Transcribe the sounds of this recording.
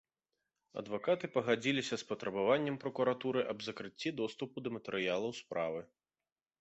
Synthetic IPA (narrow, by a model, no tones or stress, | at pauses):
ɐ̰d̪vakat̪ɨpɐɣad͡zʲilʲisʲɐspɐt̪ɾɐbavanʲːɛmpɾɐkuɾat̪uɾɨʔɐbzɐkɾɨt͡sʲːid̪ɔst̪upud̪ɐmɐt̪ɛɾɨjalˠɐwspɾa̰vɨ